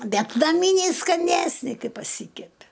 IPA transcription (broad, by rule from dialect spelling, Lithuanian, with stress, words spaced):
ˈbʲɛt nɐˈmʲiːnʲɛɪ skɐˈnʲæːsʲnʲɪ ˈkɐɪ pɐˈsʲiːkʲɛpʲɪ